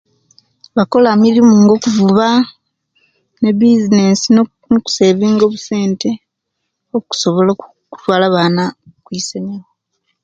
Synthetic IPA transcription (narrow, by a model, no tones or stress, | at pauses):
βako̞lamilimuːŋɡo̞kuvuβa | ne̞βizine̞si | noku̥se̞ːβiːŋɡo̞ːβuse̞ːnte̞ | oku̥so̞βo̞la | ku̥twaːlaβaːnakwiːseɲawo